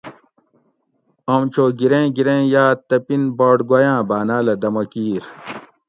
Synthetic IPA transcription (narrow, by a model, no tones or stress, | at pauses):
ɐmt͡ɕʰoːɡiɾẽːɡiɾẽːjaːt̪ɐpinbaːɖɡwɐjãːbaːnaːlɐd̪ɐmɐkiːɾ